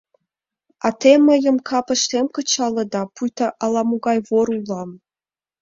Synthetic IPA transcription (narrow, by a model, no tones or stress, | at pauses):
ɑt̪emɤ̆jə̆mkʰɑpɤ̆ʃt̪emkɤ̆t͡ɕɑlˠɤ̆d̪ɑpujt̪ɑʔɑlˠɑmuɡɑjvoɾulˠɑm